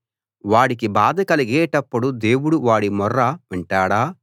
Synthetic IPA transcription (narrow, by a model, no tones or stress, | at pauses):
ʋaːɽikibaːd̪ɐkɐlɐɡɛːʈɐpːuɽud̪e̞ːwuɽuʋaːɽimɔrːɐʋiɳʈaːɽaː